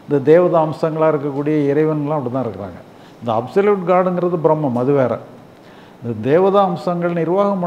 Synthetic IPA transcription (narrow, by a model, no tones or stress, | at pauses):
ɪnd̪ɐd̪eːʋɐðaɐmsɐŋɡɐɭaːɪɾɯkːɐkːuːɽɪjɐɪɾɐɪʋɐnɡɐɭãːɐpɐɽit̪̬ːãːɪɾɯkːɪɾa̰ːŋɡɐ | ɪnd̪ɐɐ̰bsɐljuːʈɡaːɽɯŋɡɪɾɐðɯbɪɾɐmːɐmɐðɯʋeːɾɐ̰ | ɪnd̪ɐd̪eːʋɐðaɐmsɐŋɡɐɭnɪɾʋaːɣɐmʊ